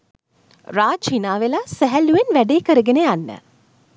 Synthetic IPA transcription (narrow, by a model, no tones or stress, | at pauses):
raːt͡ʃinaːʋelasæɦæluʋenʋæɖeːkəɾəɡeneanːə̰